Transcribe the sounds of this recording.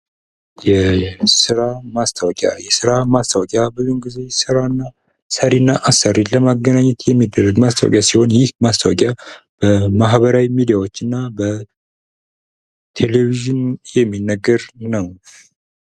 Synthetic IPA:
jɛsɨɾamast̪ʰəwɔkʼja̰jɛsɨɾamast̪ʰawɔkʼjabɨzimɡize̞sɨɾanːa | səɾinːaʔasəɾiləmaɡːənaɲːɛt̪jɛmːid̪ːərːəɡmast̪ʰa̰w̰kʼjasiho̞njɪhmast̪ʰawɔkʼjab̥əmaɦβəɾawimid̪ijawo̞t͡ʃːɨnːabə | t̪ʰeleviʒɨnjɛmːinːəɡəɾnəw

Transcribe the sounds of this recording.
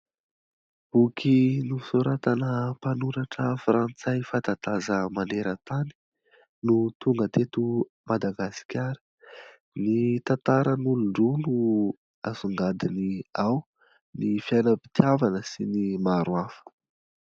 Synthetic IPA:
b̥ukʰinusuɾat̪anəpanuɾaʈ͡ʂəfrant͡sajfat̪at̪azəmaneɾət̪ani̥ | nut̪uŋɡət̪et̪u | mad̪aɡasi̥kʲaɾə̥ | nit̪at̪aɾənuluɳɖ͡ʐunu | azuŋɡad̪iniaw | nifjajnəpi̥t̪javanəsinimaɾwafə̥

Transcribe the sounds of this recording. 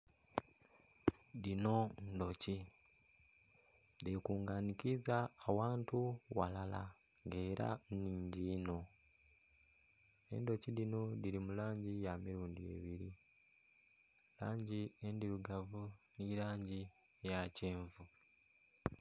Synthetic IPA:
dino̞ndo̞ci | dekuːŋɡanikizaːwaːntuwa̰lala̰ | ŋɡe̞ːɾa̰niːɲɟiːno̞ | e̞̰ndo̞cidino̞diɾimulaːɲɟijamiɾuːndie̞̰βiɾi | laːɲɟiendiɾuɡavuniɾaːɲɟi | jaceːɱvu

